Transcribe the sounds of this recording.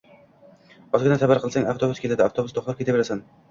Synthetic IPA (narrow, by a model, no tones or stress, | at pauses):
ɒzɡʲɪnasabaɾqʰɨlˠsaŋʲaft̪ʰobʊskʲʰet̪ʰad̪ɪaft̪ʰobʊst̪ʰoχlˠap̚kʲe̞t̪abeɾasan